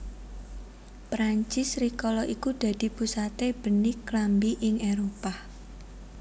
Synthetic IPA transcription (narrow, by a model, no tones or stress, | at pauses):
pɾaɲt͡ʃɪsrikɔlɔʔikud̪̥ä̤d̪̥i̤pusat̪eb̥ə̤niklambiʔɪŋeɾopa